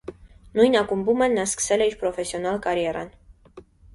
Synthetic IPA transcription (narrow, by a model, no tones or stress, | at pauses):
nujnakumbumɛnːɛsksɛleiʃpɾofesionalkaɾjɛɾa̰n